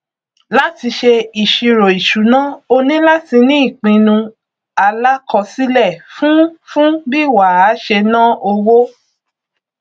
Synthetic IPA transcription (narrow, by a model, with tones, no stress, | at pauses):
la˦ti˧ʃe˧i˨ʃi˧ɾo˨i˨ʃu˨˦nã˦o˧nĩ˦la˦ti˧nĩ˦i˦˨k͡pĩ˧nũ˧ | a˧la˦kɔ˧si˦lɛ˦˨fũ˦fũ˦bi˦˨wa˨a˨˦ʃe˧nã˦o˧wo˦